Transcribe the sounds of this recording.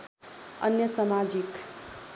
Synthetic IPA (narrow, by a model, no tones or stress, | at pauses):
ʌ̰njʌsamad͡zik